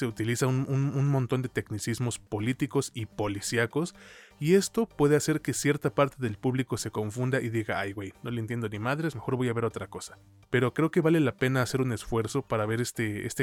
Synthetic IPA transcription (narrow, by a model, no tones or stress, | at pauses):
se̞ut̪ilisaunununmont̪o̞nd̪et̪e̞knisizmo̞spo̞lit̪iko̞sipo̞lisjako̞sie̞st̪o̞pwe̞ð̞e̞ase̞ɾke̞sje̞ɾt̪apaɾt̪e̞ðe̞lpuβliko̞se̞ko̞ɱfund̪aʔiðiɣaajɣwejno̞lent̪je̞nd̪o̞nimaðɾe̞sme̞xo̞ɾβo̞jaβe̞ɾot̪ɾako̞sḁ | pe̞ɾo̞kɾe̞oke̞βale̞lape̞naːse̞ɾune̞sfwe̞ɾso̞paɾaβe̞ɾest̪eḛst̪e